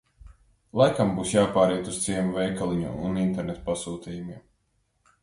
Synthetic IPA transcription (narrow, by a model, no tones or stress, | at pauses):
lˠajkambuːsjaːpaːɾiɛt̪uzt̪siɛmvɛjkalˠiɲṵunint̪eɾnet̪pasuːt̪ʲiːjumiɛm